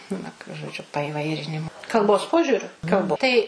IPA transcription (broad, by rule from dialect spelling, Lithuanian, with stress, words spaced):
ˈnʊ ʒoːˈd͡ʒʲʊ pɐɪˈʋɐɪrʲɪnʲɪmʊ kɐlˠˈboːs ˈpoːʒʲʊrʲʊ kɐlˠp ˈtɐɪ